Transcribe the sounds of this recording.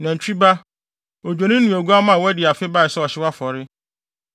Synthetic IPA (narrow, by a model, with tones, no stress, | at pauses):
nã˨ɲ˨t͡ɕᶣi˦ba˦ | o˨d͡ʑᶣo˨nĩ˦nũ˨æ˨ɡu˦a˦mã˨wɛ˦dɪ˨a˨fɪ˦ba˦˨ɪ˨sɛ˦ɔ˨ɕɪ˦wa˦fɔ˨ɾɪ˦